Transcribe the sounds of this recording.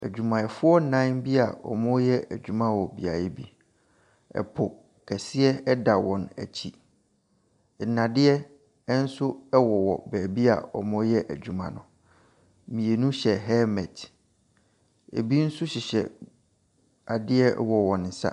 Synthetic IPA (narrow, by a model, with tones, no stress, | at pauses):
æ̰˨d͡ʑᶣu˨mã˨ɛ˨fʊ˦ɔ˦nã˦nbi˦a˨ɔ̰˨mʊ̃˦jɛ˦ʔæ˨d͡ʑᶣu˨mã˦wɔ˨bi˨a˨jɛ˦bi˦ | ɛ̰˨pʰʊ˨ | kʰɛ˨sɪ˦ɛ˦ɛ˦da˨wɔ̃˨næ̰˨t͡ɕʰi˦˨ | nã˨dɪ˦ɛ˦ | n̩˦sʊ˦ɛ˦wɔ˨wɔ̰˨bɛː˨bi˦a̰˨ɔ̰˨mʊ̃˦jɛ˦ʔæ˨d͡ʑᶣu˨mã̰˨nʊ̃˨ | mĩ˨e˨nũ˦ɕɛ˨ɦɛ˦mɛ˨t | ḛ˨bi˦n̩˦sʊ˦ɕi˨ɕɛ̰˨ | a˨dɪ˦ɛ˦wɔ˨wɔ̃˨nn̩˨sa̰˦